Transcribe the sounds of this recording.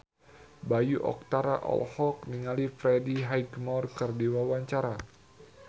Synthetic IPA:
bajuʔɔ̰k̚t̪aɾaʔɔ̰lhɔk̚niŋalifɾɛdiɦajɡmɔrkərdiwawaɲt͡ʃaɾa

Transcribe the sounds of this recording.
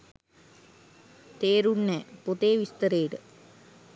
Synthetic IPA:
t̪eːɾuɳːepot̪eːʋist̪əɾeːʈə

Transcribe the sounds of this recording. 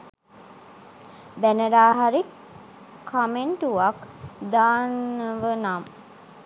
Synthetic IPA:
bænəɾaːɦaɾi | kʰːameɳʈuʋakd̪aːnːəʋənam

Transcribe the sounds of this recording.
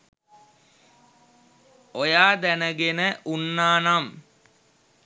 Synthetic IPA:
ojaːd̪ænəɡenəʔunːaːnam

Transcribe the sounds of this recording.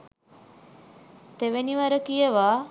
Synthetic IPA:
t̪eʋeniʋaɾəkijəʋaː

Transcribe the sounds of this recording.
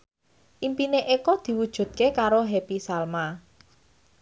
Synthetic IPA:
ʔimpineʔekɔd̪̥i̤wud̥ʒ̥ṳd̪̚kekaɾoɦepisalma

